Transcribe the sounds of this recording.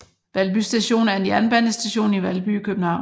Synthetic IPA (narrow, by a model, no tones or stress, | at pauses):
ʋælb̥ysd̥æɕo̝̰ːnæɐe̝njænb̥ænəsd̥æɕo̝̰ːniʋælb̥ykʰøb̥n̩hɑ̈ʊ̰